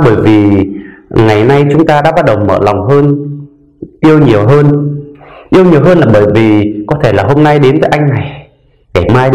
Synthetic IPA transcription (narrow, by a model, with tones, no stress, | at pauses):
ɓəː˧˩jvi˨˩ | ŋa˨˩jna˧jt͡ɕʊ˨˦ŋ͡mt̪aː˧ɗa̰ː˧˥ɓa˦˥t̚ɗə˨˩wmə̰ː˧˩l̰wŋ͡mɦəː˧n | ʔi˧əwɲi˨˩əwɦəː˧n | ʔi˧əwɲi˨˩əwɦəː˧nlaː˨˩ɓəː˧˩jvi˨˩kɔ˨˦t̪ʰe˧˩laː˨˩ɦo˧mna˧jɗe˨˦nvəː˨˦jʔa˧jŋ̟na˨˩j | kɛ˧˩maː˧j